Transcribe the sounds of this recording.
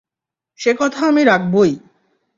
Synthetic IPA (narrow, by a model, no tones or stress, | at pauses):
ʃekɔt̪ʰaamiɾakʰboj